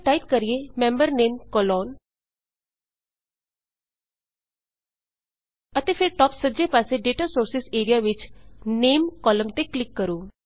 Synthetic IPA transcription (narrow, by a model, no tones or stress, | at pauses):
ʈaːɪpkəɾiemɛ̃ːmbəɾneːmkɔlɔːn | ət̪efʰɪɾʈɔːpsəd͡ʒepaːseɖeːʈasoːɾsɪseːɾijaʋɪt͡ʃneːmkɔːləmt̪eklɪkːəɾuː